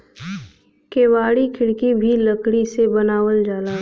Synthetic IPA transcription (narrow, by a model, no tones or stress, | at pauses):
keːʋaːɽikʰɪɽkibʱiləkɽisebɐnaːwəld͡ʒaːlaː